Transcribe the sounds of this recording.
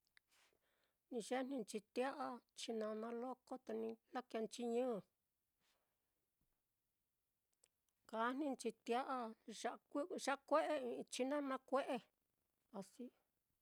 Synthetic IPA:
nĩ˧ʒe˦nĩ˧nt͡ʃi˧t̪ja˦ʔa˦t͡ʃi˧nã˧nã˧lo˦ko˦t̪a˧nĩ˧la˦ka˧nt͡ʃi˧ɲɨ̃ː˦˧˨ | ka˨˦n̥nĩ˦˧nt͡ʃi˧t̪ja˦ʔa˦ʃa˧ʔkʷi˦˧ʃa˦ʔkʷe˦ʔe˦ĩ˧t͡ʃi˧nã˦nã˧kʷe˦ʔe˦ | a˧si˦

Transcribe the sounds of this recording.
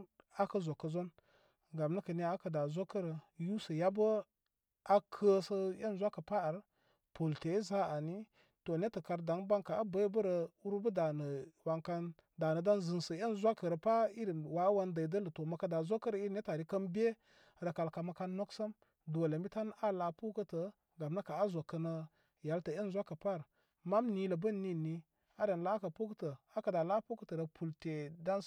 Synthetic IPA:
a˦kə˦zo˨kːə˨zo˦n | ɡa˨mnə˦kə˨ne˦a˦kə˨da˨zo˦kə˦ɾə˨ju˦sə˨ja˦bə˦ | a˦kʰə˦sə˦je˦n˨zʷa˦kə˨pa˦a˨ɾ | pʰo˨lte˨˦za˦a˨ni˦ | to˨ne˦tə˨ka˨ɾda˨˦ŋba˦ŋka˨a˦bə˦jbə˦ɾə˨u˦ɾbə˦da˨nə˨wa˨ŋka˦n | da˨nə˨da˦nzə˨nsə˨je˦nzʷa˦kə˨ɾə˨pa˦i˦ɾi˨wa˨˦wa˦ndə˨də˦lə˨to˨ma˨ka˦da˨zʷo˦kːə˦ɾə˦i˦ɾnʲe˦ta˨ɾi˦kə˦mbʲe˦ | ɾə˨ka˨lka˨ma˨ka˦nːo˦ksə˦m | du˨lə˨m˦bi˦ta˦na˦la˨pu˦kə˦tə˨ | ɡa˨mnə˦ka˨a˦zo˨kːə˨nə˦ | ja˨˦ltə˨e˦n˨zʷa˦kːə˨pa˦˨ɾ | ma˦mni˦lə˨bə˦nːi˨nːi˨ | a˦ɾe˨nla˦kə˨pu˦kə˦tə˨a˦kə˨da˨la˦pu˦kə˦tə˨ɾə˨pʰu˨lte˨da˦n

